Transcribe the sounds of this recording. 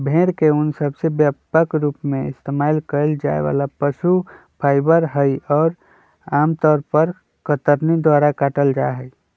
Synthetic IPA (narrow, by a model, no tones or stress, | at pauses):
bʱeːɾkeʊnsəbsebjapəkɾuːpmẽɪst̪emalkəld͡ʒa̰ːḛʋa̰lapəʃu | pʰaːɪbəɾɦəjɔːɾ | aːmt̪ɔːɾpəɾ | kət̪əɾnid̪waːɾakaʈəld͡ʒaɦəi